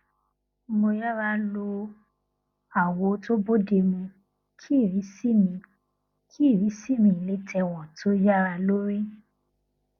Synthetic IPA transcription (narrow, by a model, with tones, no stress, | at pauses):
mo˧ja˦ɾa˦lo˧ | a˨wo˨˦to˦bo˦de˧mĩ˧ | kʰi˦˨ɾi˨˦si˦mĩ˧ | kʰi˦˨ɾi˨˦si˦˨mĩ˧˨i˨le˨˦tʰɛ˧wɔ̃˨tʰo˦ja˦ɾa˧lo˦ɾi˦